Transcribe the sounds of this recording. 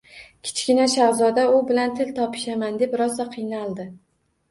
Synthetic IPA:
kʲʰɪ̥t͡ʃkʲɪnaʃaʁzɒd̪aʊbɪlant̪ʰɪlt̪ʰɒpʰɪ̥ʃamand̪epɾɒsaqʰɨjnalˠd̪ɪ

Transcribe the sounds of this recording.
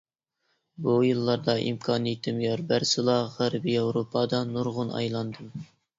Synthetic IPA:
bujɨlˠːɑɾd̪ɑʔḭmkʰɑnjit̪ʰːɪmjɑɾbæɾsɨlˠɑʁæɾbiɑwɾopʰɑd̪ɑnuɾʁʊnɑ̰jlˠɑnd̪ɨm

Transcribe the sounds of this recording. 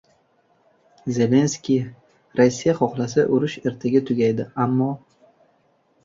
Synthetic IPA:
ze̞le̞nskʲi | ɾasːijaχɒχlˠasaʔʊɾʊʃe̞ɾt̪ʰaɡʲat̪ʰʊɡʲajd̪ɪamːɒ

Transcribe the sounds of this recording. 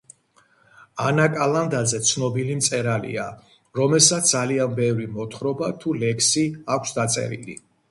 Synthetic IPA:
anakʼaland̪azɛt̪sʰnɔbilimt̪sʼɛɾalḭa | ɾɔmɛlˠsat̪sd̪zalianbɛvɾimɔt̪ʰχɾɔbat̪ʰulɛkʰsiakʷʰsd̪at̪sʼɛ̰ɾḭlḭ

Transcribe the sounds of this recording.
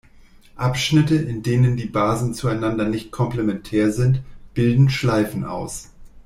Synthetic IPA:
ʔapʃnɪtəʔɪndeːnəndiːbaːzn̩t͡suaɪnandɐnɪçt̚kʰɔmplemɛntʰɛːɐzɪntb̥ɪldn̩ʃlaɪfn̩ʔa̰ʊs

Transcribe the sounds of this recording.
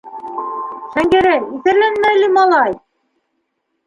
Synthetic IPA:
ʃæŋɡæɾæjiθæ̆ɾlænmæjlɘmɑlˠɑj

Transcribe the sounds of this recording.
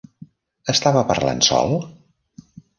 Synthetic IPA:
əst̪aβəpəɾla̰nsɔ̰lˠ

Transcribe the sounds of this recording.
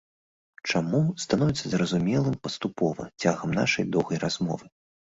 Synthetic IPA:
t͡ʂamust̪anɔvʲɛt̪sːɐzɾɐzumʲɛlˠɨmpɐst̪upɔvɐ̰t͡sʲaɣɐmna̰ʂɐ̰jd̪ɔwɣɐjɾazmɔ̰vɨ

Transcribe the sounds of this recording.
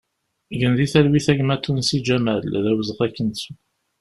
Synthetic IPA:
ʝənðiθælwiθæʝmæt̪ːunsid͡ʒæmælðæwəzəʁækːənsu

